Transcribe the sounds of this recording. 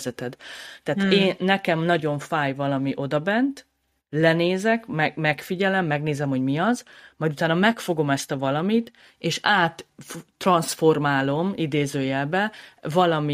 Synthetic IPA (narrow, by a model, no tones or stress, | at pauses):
zɛt̪ɛd̪t̪ɛaːt̪eːnːɛkɛmnɒɟo̞ɱfaːjvɒlɒmiʔo̞d̪ɒbɛnt̪ | lɛneːzɛkmɛɡmɛkfiɟɛlɛmːɛɡneːzɛmho̞ɟmiɒzmɒjd̪ut̪aːnɒmɛkfo̞ɡo̞mɛst̪ɒvɒlɒmit̪ | eːʃaːt̪ːrɒnsfo̞rmaːlo̞mid̪eːzøːjɛlbɛvɒlɒmi